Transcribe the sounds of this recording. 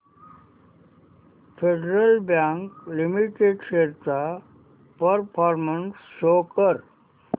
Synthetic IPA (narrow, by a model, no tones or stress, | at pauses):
fʰeɖɾəlbjãŋklimiʈeɖɕeɾt͡sa | pəɾpʰɔɾmənsːokəɾ